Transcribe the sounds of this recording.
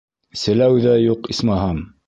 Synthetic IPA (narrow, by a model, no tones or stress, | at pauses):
sɘ̆læwðæjuqismɑɦɑm